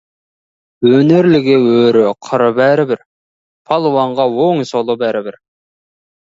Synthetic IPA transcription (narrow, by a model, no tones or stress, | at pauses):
wɵneɾlɪɡʲɪwɵɾɪqʰəɾəbæɾɪbɪɾ | pʰɑlˠwɑɴʁɑwoŋsolˠəbæɾɪbɪɾ